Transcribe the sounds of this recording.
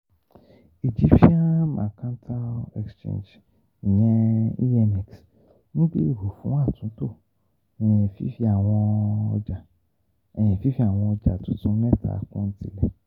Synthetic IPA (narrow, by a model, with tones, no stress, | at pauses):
i˨d͡ʒi˦ʃi˦a˦mã̰˨kã˦n˦tʰa˦ɛ̰˨kst͡ʃḛ̃˦˨nd͡ʒ̩˨ | ɲɛ̃˦i˦ɛ˦mi˨ks | nũ˦be˦˨ɦo˨fũ˨˦a˦˨tũ˨˦to˦˨ | ɛ˨fi˦i˧˦a˨wɔ̃˧a˨ | ɛ˨ɲɛ̃˨fi˦fi˦a˨w̃ɔ̃˧ɔ˧d͡ʒa̰˨tʊ̃˨˦tũ˦nɛ̃˦˨tʰa̰˨˦kũ˦n̩˦tḭ˦lɛ˦˨